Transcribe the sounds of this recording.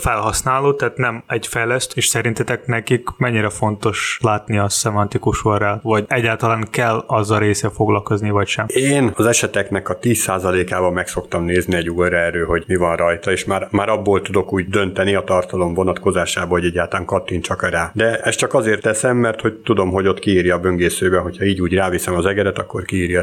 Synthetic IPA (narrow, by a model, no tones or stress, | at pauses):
fɛlɦɒsnaːloːt̪ɛːt̪nɛmɛɟfɛjlɛst̪eːʃsɛɾint̪ɛt̪ɛknɛkikmɛɲːiɾɛfo̞nt̪o̞ʃlaːt̪niɒsɛmɒnt̪ikuʃoralvɒɟɛɟːaːlt̪ɒlaːŋkɛlːɒzːɒlɾeːsɛfo̞ɡlɒlko̞znivɒcʃɛmeːnɒzɛʃɛt̪ɛknɛkɒt̪iːsːaːzɒleːkaːbɒmɛkso̞kt̪ɒmneːzniɛɟuːlɾɛrøːɦo̞ɟmivɒnrɒjt̪ɒeːʃmaːɾmaːɾɒbːoːlt̪ud̪o̞kuːɟd̪ø̞nt̪ɛniɒt̪ɒrt̪ɒlo̞mvo̞nɒt̪ko̞zaːʃaːbɒoɟɛɟːaːlt̪laːŋkɒt̪ːint͡ʃɒkɾaːd̪ɛɛst͡ʃɒkɒzeːrt̪ːɛsɛmːɛrt̪ho̞ct̪ud̪o̞mɦo̞ɟo̞t̪kiiːrjɒːbøŋɡeːsøːbɛɦo̞cʰhɒiːɟuːɟraːvisɛmɒzɛɡɛd̪ɛt̪ɒkːo̞rkiiːɾjɒ